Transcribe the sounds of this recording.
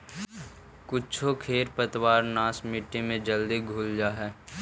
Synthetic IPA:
kʊt͡ʃʰokʰeːɾpət̪waːɾnaːsmɪʈːimẽd͡ʒəld̪iɡʱuːld͡ʒaːɦɛː

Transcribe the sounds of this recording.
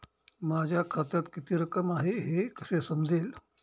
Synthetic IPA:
mad͡ʑʱjakʰat̪jat̪kit̪iːɾəkəmaɦeɦekəsesəmd͡zʱeːl

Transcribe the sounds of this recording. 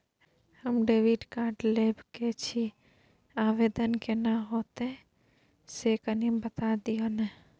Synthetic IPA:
həmɖeʋiɖkaɾʈlebket͡ʃʰi | aʋed̪ənkenaɦot̪e | sekənibət̪ad̪ijonɛ

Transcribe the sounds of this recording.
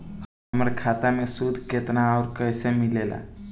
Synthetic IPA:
əmɾekʰaːt̪amẽsud̪ʱket̪naɔːɾkəːsemɪleːla̰ː

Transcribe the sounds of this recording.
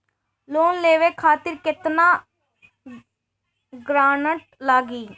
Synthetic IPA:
loːnleːʋeːkʰaːt̪ɪɾkɪt̪naː | ɡɾaːnəʈ̚laːɡiː

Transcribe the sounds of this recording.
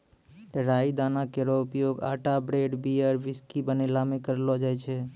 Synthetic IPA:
ɾaid̪aːnakeɾɔʊpjoɡa̰ːʈabɾeɖbiəɾʋɪskibənelamẽkəɾlod͡ʒajt͡ʃʰe

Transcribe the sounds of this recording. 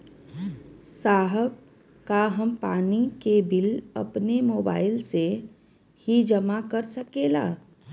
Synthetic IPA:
saːɦəb̚ | kaɦəmpaːnikebɪlɐ̰pnemoːba̰ːɪlse | hid͡ʒəmakəɾsəkeːla̰ː

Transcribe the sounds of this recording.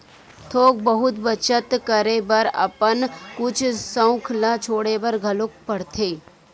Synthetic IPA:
t̪ʰoːk̚bəɦʊt̪bət͡ʃət̪kəɾebɐɾɐ̰pənkʊt͡ʃʰsə̃ʊ̃kʰlat͡ʃʰoːɽebɐɾɡʱɐlʊk̚pɐɽt̪ʰeː

